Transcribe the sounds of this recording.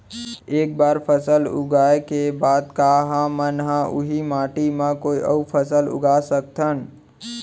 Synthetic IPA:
eːk̚baːɾpʰəsəlʊ̰ɡaːekebaːd̪kaːɦãmənɦãʔʊ̰ɦimaːʈimãkoːiʔə̰upʰəsəlʊ̰ɡaːsək̚t̪ʰən

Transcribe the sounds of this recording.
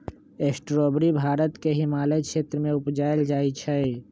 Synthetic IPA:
eːsʈɾoːbɾibʱaːɾət̪keɦɪmaːləjkʃeːt̪ɾəmẽʊpd͡ʒaːeld͡ʒaːit͡ʃʰɛ

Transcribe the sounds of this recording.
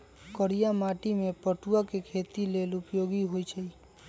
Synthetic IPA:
kəɾijamaʈimepəʈuakekʰet̪ilelʊpjoɡiɦoit͡ʃʰəi

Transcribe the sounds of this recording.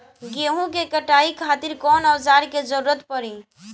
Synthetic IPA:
ɡeɦũkekəʈaikʰat̪iɾkɔnəwsaɾked͡ʒəɾuɾət̪pəɾĩ

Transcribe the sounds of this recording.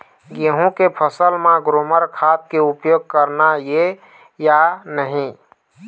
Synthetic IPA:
ɡeɦũkepʰəsəlmãɡɾoməɾkʰat̪̚keupjoːɡ̚kəɾnaje | janəɦĩ

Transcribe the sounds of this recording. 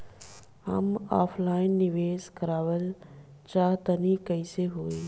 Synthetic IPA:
ɦa̰ma̰ːpʰlaːɪnːɪʋeːskəɾaːʋəl | t͡ɕaːɦt̪ənikɐiseɦoːeː

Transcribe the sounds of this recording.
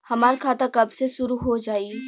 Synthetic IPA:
hɐmaːɾkʰaːt̪akɐbseʃʊɾuɦod͡ʒaːi

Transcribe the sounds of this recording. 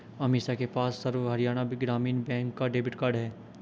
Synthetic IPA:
ɐmiːsakepaːsːɐɾʋɦɐɾijaːnabɪɡɾaːmiːnbɛ̃ːŋkːaɖeːbɪʈkaːɾɖɦɛː

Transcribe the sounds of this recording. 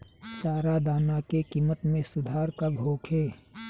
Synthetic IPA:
t͡ʃaːɾad̪aːnakekiːmət̪mẽsʊd̪ʱaːɾkabʱoːkʰeː

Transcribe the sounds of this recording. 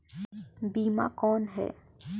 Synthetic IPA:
biːma̰kɔːnɦɛ̰ː

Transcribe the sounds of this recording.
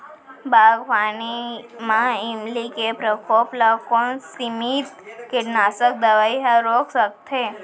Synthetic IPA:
baɡʋanimãimlikepɾəkʰoplakoɳsimit̪kɪʈnasək̚d̪əʋaiɦaɾoksək̚t̪ʰe

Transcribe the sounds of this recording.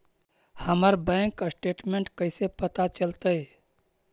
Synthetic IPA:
həməɾbə̃ŋkasʈeːʈmẽɳʈkəɪsepət̪at͡ʃəlt̪əe

